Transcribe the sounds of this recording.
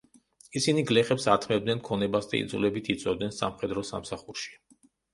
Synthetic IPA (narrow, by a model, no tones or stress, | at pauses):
isiniɡlɛχɛpsat̪ʰmɛbd̪nɛnkʰɔnɛbasd̪aḭd̪zulɛbit̪ʰit̪sʼwɛd̪nɛnsa̰mχɛd̪ɾɔsa̰msaχuɾʃi̥